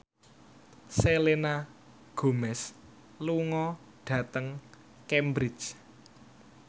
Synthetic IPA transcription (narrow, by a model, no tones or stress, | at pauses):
selena | ɡ̥o̤mɛs | luŋɔ | ɖ̥ä̤t̪əŋ | kembɾɪt͡ʃ